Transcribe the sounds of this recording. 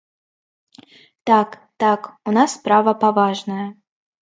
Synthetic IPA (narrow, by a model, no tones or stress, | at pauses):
t̪akt̪akunasːpɾavɐpavaʐnɐjɐ